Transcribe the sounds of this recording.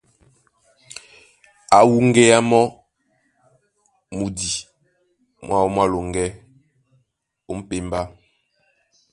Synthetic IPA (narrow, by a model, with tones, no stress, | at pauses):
a˨wu˦˨ŋɡɛ˦a˦mɔ˦ | mu˨di˨ | mwa˦wɔ˦mwa˦lo˨ŋɡɛ˦ | o˦m̩˦pe˨mba˦